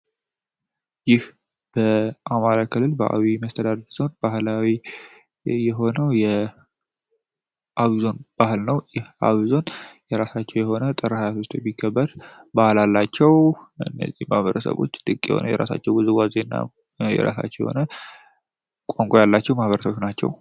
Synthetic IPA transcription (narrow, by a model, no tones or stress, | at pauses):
jɪh | b̥əʔamaɾakʰɨlːɨlbəʔa̰wiməst̪ʰəd̪ad̪d̪z̥o̞nbahlawi | jɛɦo̞nəwjɛ | ʔawizo̞nb̥ahɨlnəwjɛha̰wizo̞njɛɾasat͡ʃːɛwjɛho̞nət̪ʼɨɾəhajafest̪ʰobikʰːəbːəɾbahlalːat͡ʃːɛwɨ̰nːə̰zːihmahβəɾəsə̰βo̞t͡ʃːt̪ʼɨkʼːjɛ̰ho̞̰nə̰wjɛ̰ɾa̰sa̰t͡ʃːɛwɡɨzɨɡʷwazenːa̰ | jɛ̰ɾa̰sa̰t͡ʃːɛwjɛ̰ho̞̰nə | kʼoŋkʼojalːat͡ʃːɛwmahβəɾəsəβʃnat͡ʃːɛ̰w